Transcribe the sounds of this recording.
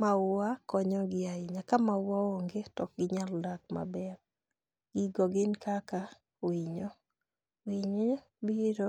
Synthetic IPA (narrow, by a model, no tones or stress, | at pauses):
maʊwakɔɲɔɡɪaɪɲakamaʊwaoŋɡetɔk̚ɡɪɲaldak̚ma̰bɛɾ | ɡ̥iɡɔɡɪnkaka | iɲɔ | iɲ | biɾo